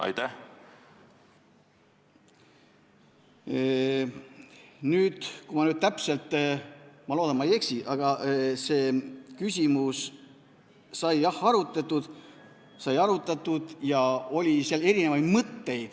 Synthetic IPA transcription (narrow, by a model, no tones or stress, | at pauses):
ɑ̰jt̪æh | nyːd̪̥kumɑnyːd̪̥̚t̪æpse̞lt̪ːˑ | mɑloːd̪ɑnmɑeje̞ksiʔɑɡ̥ɑse̞ːkysʲimus | sɑjjɑhɑɾut̪ːˑɑt̪ːˑud̪̥ | sɑjɑɾut̪ːˑɑt̪ːˑud̪̥jɑo̞lʲiseɑle̞ɾinevɑjd̪̥mɤt̪ːe̞jd̪̥